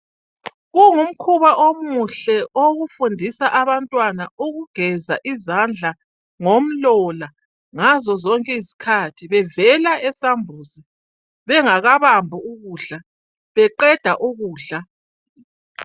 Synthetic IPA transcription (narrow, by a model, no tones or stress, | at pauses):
ɣuŋum̩kʰuβaʔomuɬɛʔoɣufundʱisaʔaβantʼwanauɣuɡ̥ʱɛza̰ʔizand͡ɮʱa | ŋom̩lɔla | ŋazɔzɔŋkʼɛizi̥kʰatʰiβɛvɛlaʔɛsambʱuːzi | βɛŋaɣaβambʱuuɣuːɮa | βɛǃɛd̥ʱaʔuɣuːɮa